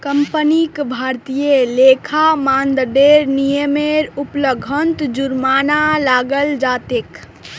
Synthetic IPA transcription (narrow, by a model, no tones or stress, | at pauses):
kəmpənikbʱaɾt̪ijelekʰamãːnd̪ɖeɾnijəmeɾupləɡʱənt̪d͡ʒuɾmanalaːɡəld͡ʒaːt̪ek